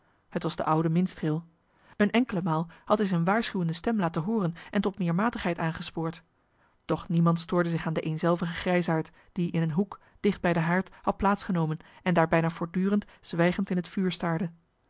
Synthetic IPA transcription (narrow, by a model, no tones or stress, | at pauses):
hətʋɑzdə̰ʔʌwdəmɪnstrɪlˠ | ənʔɛŋkələmaːlˠhɑtɦɛzɛjnʋaːɹsχywəndəstɛmlaːtənɦʊːrənʔɛntɔtmɪːɹmaːtəχɦɛjtaːnχəspʊːɹt | d̥ɔχnimɑntstʊːɹdəzɪχaːndəʔejnzɛlˠvəχəχrɛjsaːɹt | d̥iʔɪnənɦuk | d̥ɪχd̚bɛjdəɦaːɹthɑt̚plaːtsχənowmənɛndaːɹbɛjnaːvʊːɹdyːrənt | z̥ʋɛjχəntɪnɦətfyːɹstaːɹdə